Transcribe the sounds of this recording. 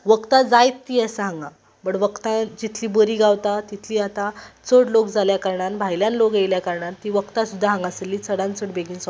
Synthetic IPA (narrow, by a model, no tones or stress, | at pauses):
ʋəkt̪ad͡zajt̪ːiəsəɦãŋɡa | pəɳʋəkt̪ãd͡ʑit̪ʰliːbəɾiːɡawt̪at̪it̪ʰliːat̪at͡səɽlokd͡zaljakaɾɳanbʱajljãnlokejljakaɾɳat̪ːiːʋəkt̪asud̪ʱːaɦãŋɡaselːiːt͡səɽãnt͡səɽbeɡinsa